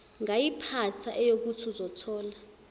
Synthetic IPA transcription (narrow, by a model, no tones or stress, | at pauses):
ŋajipʰat͡sʰaʔɛjok̬utʰuzɔtʰɔːla